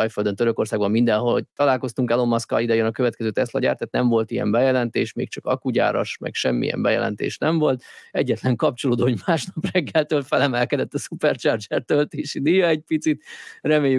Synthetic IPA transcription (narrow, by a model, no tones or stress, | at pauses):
ɒjføld̪ønt̪øɾøko̞rsaːɡbɒmːind̪ɛnɦot̪ɒlaːlko̞st̪uŋkɛlo̞mːɒskɒ̰lid̪ɛjønɒkøvɛt̪kɛzøːt̪ɛslɒ̰ɟa̰ːrt̪ːɛːt̪nɛɱvo̞lt̪ijɛ̰mbɛjɛlɛnt̪eːʃmḛːk̚t͡ʃɒkɒkuɟa̰ːɾɒ̰ʃmɛ̰kʃɛmːḭjɛ̰mbɛjɛ̰lɛ̰nt̪ḛːʃnɛɱvo̞lt̪ɛɟːɛt̪lɛŋkɒp̚t͡ʃo̞loːd̪oːoɟmaːʃnɒprɛɡːɛlt̪øːlfɛlɛmɛlkɛd̪ɛt̪ːɒsupɛrt͡ʃɒrd͡ʒɛrt̪ølt̪eːʃid̪ijɒɛc̚pit̪sit̪rɛmeːjy